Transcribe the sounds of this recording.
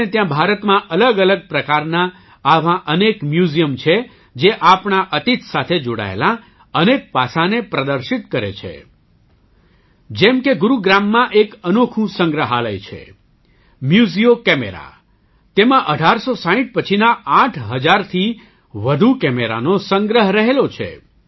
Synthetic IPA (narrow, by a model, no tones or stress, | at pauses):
et̪jãbʱaɾət̪mãʔələɡələɡ̚pɾəkaɾna | aʋãʔənekmjuzijəmt͡ʃʰe | d͡ʒeʔapɳaʔət̪it̪ʰsat̪ʰed͡ʒoɽa̰ḛlã | ənek̚pasãnepɾəd̪əɾʃit̪kəɾḛt͡ʃʰḛ | d͡ʒɛmkeɡuɾuɡɾamːãʔekənokʰũsə̃ŋɡɾəɦalə̰jt͡ʃʰḛ | mjuzijokɛmeɾa̰ | t̪emãʔəɖʱaɾsosaɦĩʈ̚pət͡ʃʰinaaʈʰɦəd͡ʒaɾt̪ʰi | ʋəd̪ʱukɛmeɾa̰nosə̃ŋɡɾəɦɾəɦelot͡ʃʰḛ